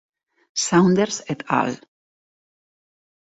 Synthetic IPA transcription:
sãw̃nd̪əɾsɛt̪ʰa̰l

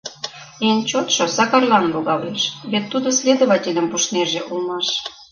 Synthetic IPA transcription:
enʲt͡ɕot̪ʃosɑkɑrlɑnloɣɑleʃβet̪ːud̪osʲlʲed̪oβɑtʲelʲə̆mpuʃneʒĕʔulmɑʃ

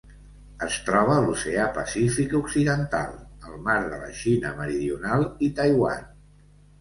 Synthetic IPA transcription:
əst̪ɾɔβəːluseapəsifikuksiðənt̪a̰lˠəlˠmaɾðələ̰ʃinə̰məɾiðiunalˠit̪əjwa̰n

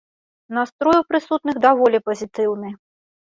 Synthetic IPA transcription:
nast̪ɾɔjwpɾɨsut̪nɨxd̪avɔlʲipɐzʲit̪ɨwnɨ

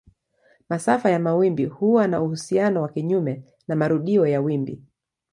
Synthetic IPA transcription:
masafajamawimbihuwanauhusianɔwakiɲumɛ | namaɾuɗiɔjawimbḭ

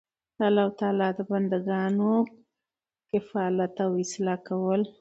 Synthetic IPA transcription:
ɑlːɑhʊt̪ɑːlɑd̪əband̪aɡɑno | kɪfɑlat̪awɪslɑkawəl

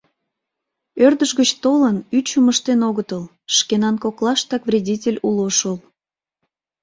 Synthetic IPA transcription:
ørd̪əʒɣət͡ɕt̪olənyt͡ɕuməʃt̪enoɣət̪əl | ʃkenɑnkoklˠɑʃt̪ɑkvrʲedʲitʲelʲuloʃəl

